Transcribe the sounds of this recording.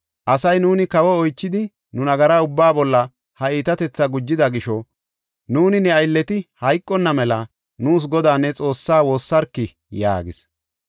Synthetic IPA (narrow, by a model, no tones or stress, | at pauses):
ʔɐsɐjnuːnɪkɐwɔɔjt͡ʃːɪd̪ɪ | nʊnɐɡɐɾaʊbːaːbɔlːɐ | hɐiːt̪ɐt̪ɛt͡sːɐɡʊd͡ʒːɪd̪ɐɡɪʃɔ | nuːnɪnɛɐjlːɛt̪ɪhɐjkʼːɔnːɐmɛlɐ | nuːs̬ɡɔd̪aːnːɛt͡sʼo̞ːsːaːwo̞ːsːɐɾkːɪ | ja̰ːɡɪ̰s